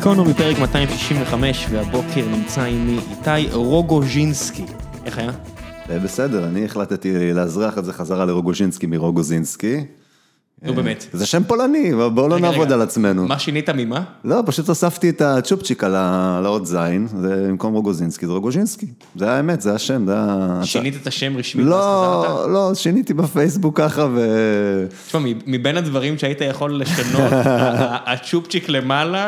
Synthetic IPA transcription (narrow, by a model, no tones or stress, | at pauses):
kʰonumipeʁekmat̪aimʃi̥ʃimveχame̞ʃveabo̞kʰeʁnimt͡saimiʔitajʁoɡoʒinskiʔeχaja | ebe̞sedeʁanieχlat̪t̪ileazʁiaχezeχazaʁaleʁoɡoʒinskimiʁo̞ɡozinski | nubemet̪zeʃempo̞lanivabolonaːvod̪alat͡sme̞numaʃinit̪amimalo̞paʃut̪osaft̪iet̪at͡ʃupt͡ʃikalalaot̪zajnzebimko̞mʁoɡozinskizeʁoɡoʒinski | zeajaemet̪zeajaʃemzejaːʃinit̪et̪aʃemʁiʃmilolo̞ʃinit̪ibefejs̬bukːaχave̞ | ʃmamimibenad̪vaʁimʃeait̪ajaχo̞lːeʃanoaːt͡ʃupt͡ʃiklemala